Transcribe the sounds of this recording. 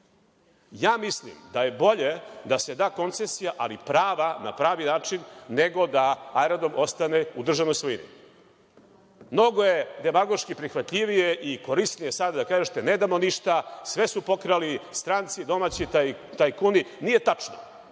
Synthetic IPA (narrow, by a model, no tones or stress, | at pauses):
jaːmislḭmd̪aje̞bo̞ʎe̞d̪ase̞d̪aːko̞nt̪sesijaʔalipɾaːʋana̰pɾaːʋinaːt͡ʂinːeɡo̞d̪aajɾad̪omo̞st̪aneud̪r̩ʒavnojsʋojinḭ | mno̞ɡojed̪e̞maɡo̞ʃkipɾixʋat̪ʎʲiʋije̞ʔiko̞ɾisnijesad̪ad̪akaːʒet̪ened̪amoniʃt̪asʋe̞supo̞kɾalist̪ɾaːnt̪sid̪o̞mat͡ɕit̪ajkuninije̞t̪at͡ʂno̰